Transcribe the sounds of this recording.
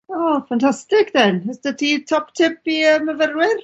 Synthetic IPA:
ɔːfantʰastɪkðɛnəsdətʰitʰɔptʰɪpiəməvərwɪr

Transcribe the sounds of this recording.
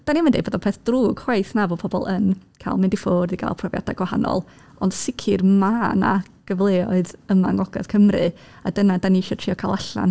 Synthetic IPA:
d̥animəndḛboːðɔpʰɛːθd̥ruːɡ̥hwajθnavoːpʰɔbɔ̰lˠənkʰa̰ːlˠmɪndifoːrðiɡa̰ːlˠpʰrɔvja̰dajɡwaha̰nɔ̰lˠ | ɔnd̥sɪkʰɨrmana̰ | ɡ̥əvlˠeːɔɨðəmaŋɔɡa̰ð̥kʰəmrɨ | adənadaniʃɔtʰr̥iːɔkʰalˠaɬa̰n

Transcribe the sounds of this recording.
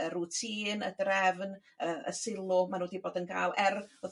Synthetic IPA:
əɾuːtʰiːnə̰drɛvn | əʔə̰sɪlˠʊmanuːdiboːdənkʰa̰ːlˠɛro

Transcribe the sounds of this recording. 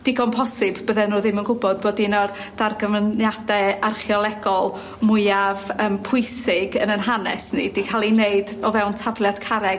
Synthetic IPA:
d̥iɡɔnpʰɔsɪbbəðɛnuːðɪmənɡʊbɔd̚boːdinɔr | d̥arɡəmnjadɛarχjɔlˠɛɡɔlˠ | mʊɨavəːmpʰʊɨsɪɡənənɦanɛ̰snḭdikʰalˠineɨdɔvɛwntʰavlˠjad̥kʰaɾɛɡ

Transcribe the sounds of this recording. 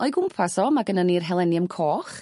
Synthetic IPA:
ɔɨɡʊmpʰasɔmaɡənənirɦɛlˠɛnjəmkʰoːχ

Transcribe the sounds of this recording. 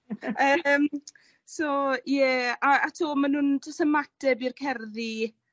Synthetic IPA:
əːm | sɔjɛaatʰuːmanundɔsəmatɛbirkʰɛrði

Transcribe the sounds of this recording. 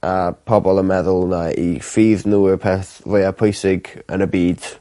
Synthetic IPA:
ʔapʰɔbɔlˠəmɛðʊlˠnaifiːðnuɪrpʰɛθrojapʰojsɪɡə̰nəbiːd̥

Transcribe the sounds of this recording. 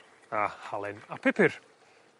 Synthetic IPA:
ahalˠɛnapʰɪpʰɪr

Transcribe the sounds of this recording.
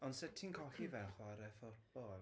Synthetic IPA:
ɔnsɛtʰinkʰɔɬivɛlχwaɾɛfʊrbɔɛ

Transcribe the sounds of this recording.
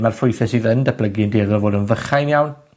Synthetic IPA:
marfʊjθɛsiːðəndəpʰləɡɪəndeːðɔrvoːdənvəχajnjawn

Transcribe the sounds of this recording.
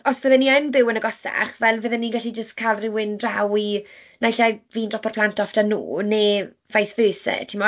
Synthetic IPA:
ɔsvəðɛnianbɪwənəɡɔsa̰χvɛlˠvəːðɛniɡaɬid͡ʒəstkʰalˠrɪwɪndrawinaɪɬaviːndrɔpʰarpʰlˠantʰɔftanṵːne | vajsvøːsɛ̰tʰɪmɔ

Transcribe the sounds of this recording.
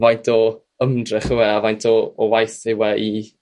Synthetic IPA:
vajntʰɔ | əmdrɪχɪwɛavajntʰɔːwajθɪwɛʔi

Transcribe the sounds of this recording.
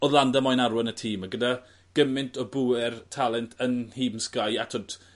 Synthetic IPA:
ɔðlˠandamɔjnaɾwənətʰiːmaɡəda | ɡ̥əmɪntʰɔbʊɪrtʰalˠɛntʰənhiːbmskajatʰɔd̥

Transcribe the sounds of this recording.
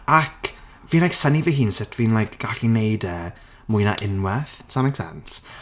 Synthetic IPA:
akʰ | viːnlajksənivihiːnsɪtʰviːnlajkʰɡ̥aɬinejdəː | mʊɨna̰ʔɪnwɛθsamɛksɛ̰ns

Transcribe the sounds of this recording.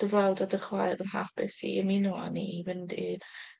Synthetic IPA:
d̥əvawdadəχwajɾənɦapɪsḭəminɔa̰nivɪndi

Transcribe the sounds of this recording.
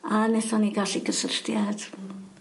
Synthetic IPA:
anɛθɔniɡaɬiɡəsər̥tjad̥

